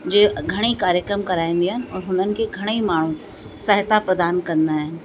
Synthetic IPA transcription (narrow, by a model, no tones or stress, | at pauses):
d͡ʒeːɡʱɐɽ̃ikaːɾjəkɾəmkɐɾaːẽːn̆d̪iɦən̆ɔːɾɦʊn̤ənɪ̆keɡʱɐɽ̃eimaːɳ̤ũ | səɦt̪apɾəd̪aːnkɐɾnd̪aɦɪnɪ̆